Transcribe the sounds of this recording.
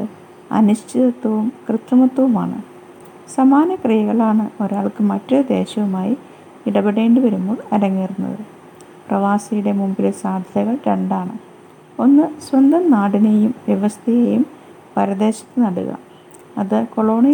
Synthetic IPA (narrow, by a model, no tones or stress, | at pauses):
ɨ | ɐ̰nuɕt͡ɕʰiðɐt̪ːɐʋumkrɨt̪ːɐmɐt̪ːwɐʋuma̰ːɳɨ̰ | sɐmaːnɐkrijɐɣɐɭaːɳɨo̞ɾaːɭkɨmɐtːod̪e̞ːɕɐʋumaːji | iɽɐbɐɽe̞ːɳɖɨʋɐɾumːoːɭɐɾɐŋːiːrunːɐ̰ðɨ | prɐʋaːsɐjuɽe̞mumbilesaːd̪ʱɐɣɐɭɾeɳɖaːɳɨ | o̞nːɨsʋɐnd̪ʱɐmnaːɽinejumʋjɐʋɐst̪ʰɐjejum | pɐɾɐd̪e̞ːɕɐ̥t̪ːɨnɐɽṵɣɐ̰ | ɐðɨko̞ɭo̞ːɳi